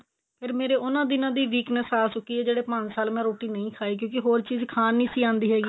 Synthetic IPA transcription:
pʰeɾmeːɾeːʔʊnãːd̪ɪnãːd̪iːʋiːknəsaːsʊkːiːɛːd͡ʒeːɽeːpə̃ɲsaːlmɛ̃ːɾoːʈiːnəĩːkʰaːeːk̬jõːkɪɦoːɾt͡ʃiːzkʰaːnĩːsiːãːnd̪iːɦɛːɡiː

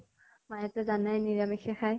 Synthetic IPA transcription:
majɛtɛzanajniɹamixʰɛxaj

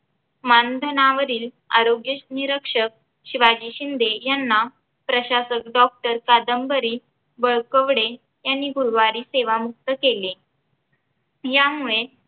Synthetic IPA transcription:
mand̪ʱənaʋəɾiːl | a̰ɾoɡjəniɾəkʂək̚ | ɕiʋad͡ʑiːɕind̪ʱejanːa | pɾəɕasəkɖɔk̚ʈəɾkad̪əmbəɾiː | bəɭkəʋɽe | janːiːɡʱuɾʋaɾiːseʋamuk̚t̪əkele | jamuɭe

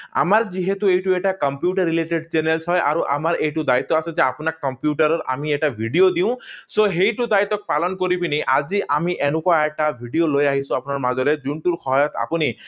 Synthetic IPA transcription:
a̰maɾd͡ʒiɦet̪uejʈueʈakɔmpjuʈaɾːileʈeɖt͡ʃenelsɦɔjʔa̰ɾuʔa̰maɾejʈud̪ait̪ːɔasɔd͡ʒeapunakɔmpjuʈaɾɔɾa̰mieʈabʱiɖiod̪iw̃soɦejʈud̪ait̪ɔk̚palɔnkɔɾipinejʔad͡ʒiʔamiʔenũkɔeʈabʱiɖijolojaɦisuapunaɾmad͡ʒɔɾed͡ʒuɳʈuɾxʰɔɦɔjɔt̪ʰa̰puni

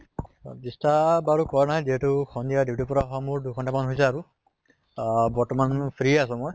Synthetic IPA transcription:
bistabaɾukɔɹnaɦɛziɦeʈukʰɔnd̪ijad̪iwʈipɔɾaɦɔmuɹdukʰɔnʈapmanɦojsaaɾu | bɔɹʈɔmanpʰɾiasɔmɔj

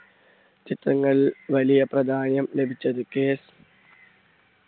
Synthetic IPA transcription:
t͡ɕit̪rɐŋːɐɭiʋɐlijɐprɐd̪ʱaːnjɐmle̞bʱit͡ɕːɐðɨkeːs

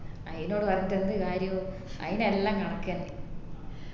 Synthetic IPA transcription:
ɐjinoːɽɨpɐrɐɲːit̪ːend̪ɨkaːɾjɐ | ɐ̰ðinelːaːŋkɐɳɐkːaːnli

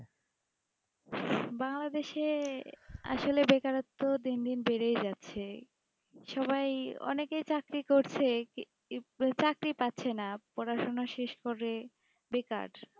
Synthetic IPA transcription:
baŋlad̪eʃe | a̰ʃolebekaɾot̪ːod̪ind̪inbeɾejd͡ʑatːɕʰe | ʃɔβajɔ̰nekejt͡ɕakɾikoɾt͡ɕʰe | t͡ɕakɾipatːɕʰenapɔɾaʃonaʃeʃkoɾe | beka̰ɖ

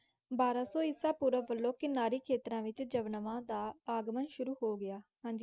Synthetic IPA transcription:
baːɾãːsɔːɪsãːpuːɾəʋəlːõːkɪnaːɾiːkʰeːt̪ɾãːʋɪt͡ʃd͡ʒəʋnəʋãːd̪aːaːɡmənʃʊɾuːhoːɡɪaːhãːɲd͡ʒiː

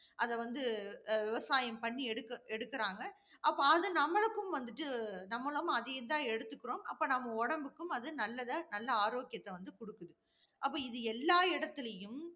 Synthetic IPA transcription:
ʔɐðɛʋɐnd̪ɯʋɪʋɐsaːjɐmpɐɳːiɛɽɯkːɐɛɽɯkːɪɾaːŋɡɐ | ʔɐpːoɐðɯnɐmːɐɭɯkːɯmʋɐnd̪ɯʈːɯnɐmːɐɭɐ̃ɐðɐjɪnd̪ãːɛɽɯt̪ːɯkːɯɾoːmɐ̰pːoːnɐmːɐɔɽɐmbɯkːɯmɐðɯnɐlːɐðɐnɐlːɐaːɾoːkɪjɐt̪ːɛʋɐnd̪ɯkɔɽɯkːɯðɯ | ʔɐpːoːɪðɯɛlːaːɪɽɐt̪ːɪlɐjɯm

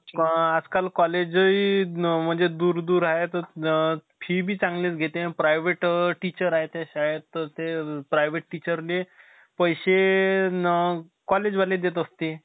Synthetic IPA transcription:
ad͡zkalkɔled͡ʑəim̤əɳd͡zed̪uːɾd̪uːɾaɦet̪əɾ | fʰiːbʱiːt͡sãŋɡlet͡sɡʱet̪ẽpɾajʋeʈʈːit͡ɕəɾaɦet̪aɕaɦet̪ːəɾt̪epɾajʋeʈʈːit͡ɕəɾle | pəjɕe | kɔled͡ʑʋaled̪et̪əst̪e

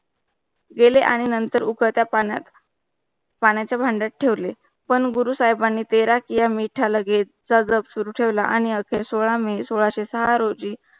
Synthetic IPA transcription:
ɡeleʔaɽ̃inənt̪əɾukʰət̪japa̰t̪ | paɳjat͡ɕjabʱaɳɖat̪̚ʈʰeʋle | pəɳɡuɾusaɦjbanːiːt̪eɾakijamiʈʰaləɡe | d͡zad͡zəbsuɾuːʈʰeʋlaʔaɽ̃iəkʰesoɭamesoɭaɕesəɦaɾod͡ʑiː

